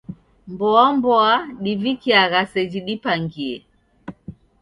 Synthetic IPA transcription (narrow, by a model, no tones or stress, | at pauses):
mbɔambɔaɗivikiaɣasɛd͡ʒiɗipaŋɡiɛ